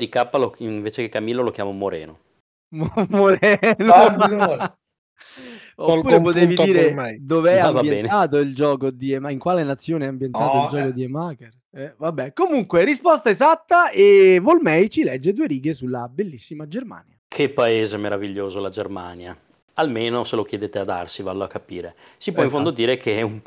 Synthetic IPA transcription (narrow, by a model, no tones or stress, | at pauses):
d̪ikapːaloiɱveːt͡ʃekekːamilːolokjaːmamoɾɛ̰ːno | mmoɾɛnoo | ouːɾepot̪eːvid̪iːɾeɛjd̪oveɛambjenɛnaːt̪̬oild͡ʒɔːkod̪iemaiŋkwaːlenat̪sːjoːneɛambjenaːoild͡ʒɔːkod̪iemaker | ɛvabːɛkomuŋkweɾispɔst̪aezat̪ːaevolmɛjt͡ʃilɛd͡ʒːed̪uːeɾiːɡesulːabelːisːimad͡ʒerma̰ːnjakʰepːaeːzemeɾaviʎːoːzolad͡ʒerma̰ːnja | almeːnoselokjed̪eːt̪ead̪a̰rsiva̰lːoa̰kːapḭːɾesipwɔiɱfond̪od̪iːɾekʰeɛum